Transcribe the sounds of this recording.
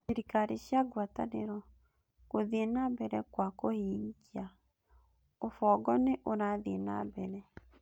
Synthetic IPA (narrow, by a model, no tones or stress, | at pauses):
seɾikaɾeɕjaɡwata̰nḛɾɔ | koðenabɛɾɛkwakohiːŋɡia | ofɔːɡɔneʔoɾaðena̰bɛɾɛ